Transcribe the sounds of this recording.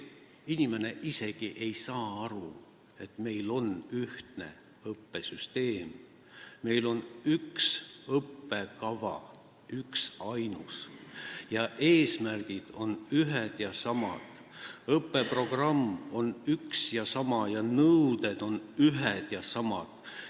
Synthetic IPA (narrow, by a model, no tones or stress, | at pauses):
inime̞ne̞ʔise̞ɡ̥iʔe̞jsɑːɑɾu | e̞t̪me̞jlo̞nyht̪ne̞̰ | ɤpːe̞syst̪e̞ːmː | e̞jlo̞nyksɤpːe̞kɑvɑ̰ | yksɑjnus | jɑʔe̞ːsmærɡ̥id̪̥o̞nyɦed̪̥jɑsɑmɑ̰d̪̥ | ɤpːe̞pro̞ɡ̥rɑmːo̞nyksjɑsɑmɑjɑnɤwd̪ed̪̥o̞nyɦed̪̥jɑsɑmɑ̰d̪̥